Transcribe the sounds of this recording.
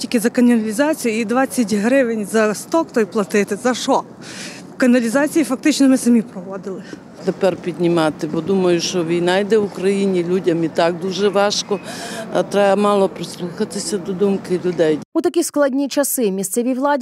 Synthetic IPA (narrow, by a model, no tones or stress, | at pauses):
tʲilʲkɪzɐkɐnʲɐnɐlʲizɑt͡sʲijʊid̪ʋɑt͡sʲːɐtʲɦɾɪʋɪnʲzɐst̪ɔkt̪ɔjplˠɐt̪ɪt̪ɪzɐʃɔ | kɐnɐlʲizɑt͡sʲijifɐk̚t̪ɪt͡ʃnɔmɪsɐmʲipɾɔʋɔd̪ɪlˠɪ | t̪epɛrpʲid̪ʲnʲimɑt̪ɪbɔd̪umɐjʊʃt͡ʃɔʋʲijnɑjd̪ɛwʊkɾɐjinʲilʲudʲɐmit̪ɑk̚d̪uʒɛʋɑʃkɔt̪ɾɛjɐmɑlˠɔpɾɪslˠuxɐt̪ɪsʲɐd̪ɔd̪umkɪlʲʊd̪ɛjut̪ɐkʲisklˠɐdʲnʲit͡ʃɐsɪmʲist̪sɛʋʲiʋlˠɑdʲ